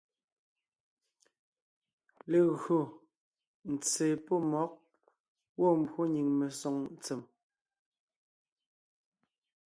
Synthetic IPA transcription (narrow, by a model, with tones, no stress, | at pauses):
le˨ɣɰo˨ | n̩˨t͡seː˨pɔ˦mɔ˨˦k̚ | wɔ˦˨m̩˨bwo˦ɲi˨ŋme˨sɔ˨ŋn˨t͡se˨m